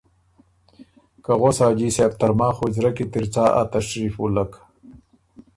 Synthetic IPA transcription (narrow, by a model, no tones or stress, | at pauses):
kaɣosaːd͡ʑiːseːp̚t̪ɐɾmaːxod͡ʑɾɐkit̪iɾt͡saːʔa̰t̪ɐɕɾiːfulɐk